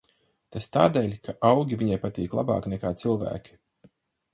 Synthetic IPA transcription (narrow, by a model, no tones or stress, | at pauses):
t̪ast̪aːd̪eːlʲkʰaʔawɡʲiviɲajpat̪iːklˠa̰ba̰ːknɛkaːt̪silˠvæ̰ːkʲi̥